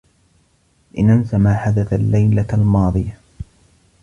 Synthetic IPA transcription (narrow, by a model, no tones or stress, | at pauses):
ʔɪnʔansamaːħad̪aθalːajlalmɑːðˤɨja